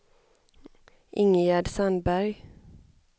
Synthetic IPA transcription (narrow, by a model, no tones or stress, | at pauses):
ʔɪŋjaɖsand̪bæɾj